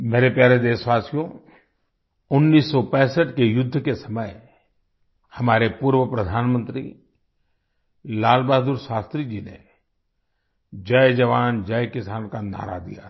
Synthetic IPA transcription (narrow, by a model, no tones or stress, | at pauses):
meːɾepjaːɾed̪eːsʋaːsijõ | ʊnːiːsːɔpɛ̃ːsəʈkejʊd̪ʱːəkesɐməj | hɐmaːɾepuːɾʋəpɾəd̪ʱaːnmə̃nt̪ɾḭ | laːlbaːd̪uɾʃaːst̪ɾid͡ʒinḛ | d͡ʒəjd͡ʒɐʋaːnd͡ʒəjkɪsaːnkana̰ːɾa̰d̪ḭja̰